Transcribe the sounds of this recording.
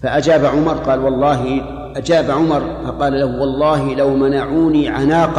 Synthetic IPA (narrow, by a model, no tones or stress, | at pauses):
faʔad͡ʒaːbaʕʊmɑɾˤqɑːlwɑlˤːɑːɦɪ | ʔad͡ʒaːbʕʊmɑɾˤfɑqɑːlalahwɑlˤːɑːhɪlawmanaʕuːniːʕanaːq